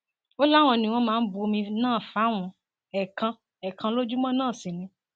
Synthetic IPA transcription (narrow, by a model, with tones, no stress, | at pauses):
o˦la˦˨w̃ɔ̃˧nĩ˨w̃ɔ̃˧mãː˦n̩˦bo˧mĩ˧nãː˦˨fa˨˦w̃ũ˨˦ | ɛ˨kã˧ | ɛ˨kʰã˧lo˦d͡ʒu˦mɔ̃˦nãː˦˨si˨nĩ˨˦